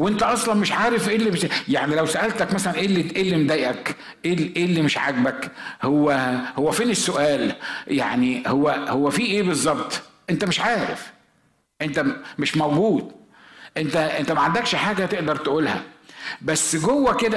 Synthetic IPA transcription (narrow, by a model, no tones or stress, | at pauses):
wʔent̪æʔɑsˤlɑnmeʃʕaːɾefʔeːlːimeʃjaʕnilæwsæʔælt̪ækmæsælænʔeːlːiʔeːlːimd̪æjʔæk | ʔeːʔeːlːimeʃʕa̰ɡbækhowːæhowːæfeːnɪsːoʔæːlja̰ʕnihowːæhowːæfiːʔeːbɨzˤːɑbt̪ˤʔent̪æmɪʃʕaːɾef | ʔent̪æmeʃmæwɡuːd̪ | ʔent̪æʔent̪æmæʕand̪ækʃħaːɡæt̪eʔd̪ɑɾˤt̪ʔuːlhæ̰bæsːɡowːæked̪æ